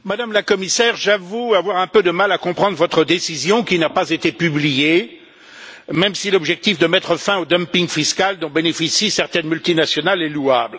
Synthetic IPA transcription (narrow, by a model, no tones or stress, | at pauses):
mad̪amlakɔmisɛʁʒavuavwaʁɛ̃pød̪əmalakɔ̃pχɑ̃d̪ʁvɔt̪χəd̪esizjɔ̃kʲinapazet̪epyblije | mɛmsilɔbʒɛk̚t̪ifd̪əmɛt̪χəfɛ̃od̪ɔmpiŋfiskald̪ɔ̃benefisisɛʁt̪ɛnmylt̪inasjɔnalɛluabl